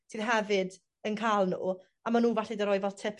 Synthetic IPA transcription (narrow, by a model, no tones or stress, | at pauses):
sʰiːð̥ɦɛvɨd | ənkʰaːlˠnṵː | amanuːvaɬidəɾɔɨvɔltʰɪpʰ